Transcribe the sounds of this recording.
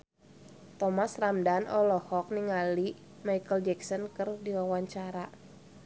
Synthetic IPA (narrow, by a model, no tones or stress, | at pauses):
t̪ɔmasramdanɔlɔhɔk̚niŋali | maikəld͡ʒɛksɔnkərdiwawaɲt͡ʃaɾa